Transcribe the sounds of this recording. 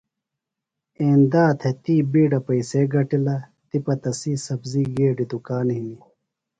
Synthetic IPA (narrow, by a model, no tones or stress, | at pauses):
eːnd̪aːt̪ʰet̪iːbiːɖɐpɐiseɡɐʈilɐ | t̪ipɐt̪ɐsiːsɐbziːɡeːɖid̪ukaːnɦiː